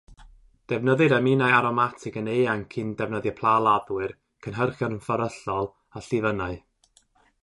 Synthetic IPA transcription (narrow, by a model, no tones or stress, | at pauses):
d̥ɛvnəðɨɾamɪnajaɾɔmatʰɪɡənejaŋkʰɪndɛvnəðjɛpʰlˠalˠaðwɨr | kʰənɦərχjɔnənfaɾəɬɔlˠ | aɬɪvənaɨ